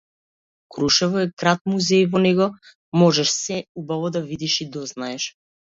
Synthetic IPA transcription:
kɾuʃɛvɔɛkɾat̪̚muzɛjvɔnɛɡɔ | mɔʒɛʃsɛubavɔd̪avid̪iʃid̪ɔznaɛʃ

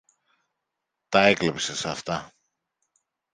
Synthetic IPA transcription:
t̪ɐeklepsesɐft̪ɐ

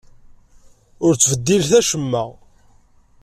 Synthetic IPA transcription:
ʊɾt͡sːvəd̪ːilθæʃəmːæʁ

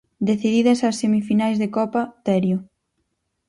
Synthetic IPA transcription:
d̪eθiðiðɐsasːemifinajzðekɔpat̪ɛɾjʊ

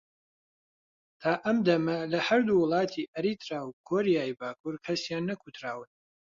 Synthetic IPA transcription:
t̪ʰaːʔɐmd̪ɐmɐlɐhɐɾd̪uwʊlˠɑːt̪ʰiʔɐɾit̪ɾaːwkʰoɾijaːjbaːkʰuɾkʰɐsjaːnːɐkʰut̪ʰɾaːwɨn

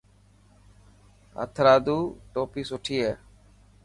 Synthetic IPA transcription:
ə̰t̪ʰɾaːd̪uːʈoːpiːsʊʈʰiːeː

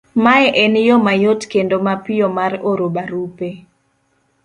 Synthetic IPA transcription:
maɛʔenjɔmajotkendomapɪjɔmaɾoɾobaɾupe

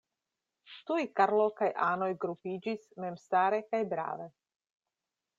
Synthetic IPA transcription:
ʃt̪ujkaɾlokajʔaːnojɡɾupiːd͡ʒismɛmst̪aːɾɛkajbɾa̰ːvɛ

